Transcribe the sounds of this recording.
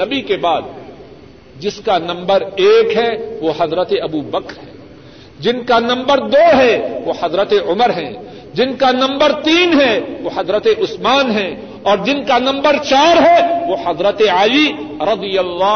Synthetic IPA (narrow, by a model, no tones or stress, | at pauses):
nɐbikebaːd̪̚ | d͡ʒɪskanɐ̃mbəɾeːkɦɛʋoɦɐzɾət̪eɐbuːbɐkɾɦɛː | d͡ʒɪnkanɐ̃mbəɾd̪oːɦɛʋohɐzɾət̪eʊməɾɦɛ̃ː | d͡ʒɪnkanɐ̃mbəɾt̪iːnɦɛʋoɦɐzɾət̪eʔʊsmaːnɦɛ̃ | ɔːɾd͡ʒɪnkanɐ̃mbəɾt͡ʃaːɾɦɛʋohɐzɾət̪ealiɾɐd̪ijəlːaː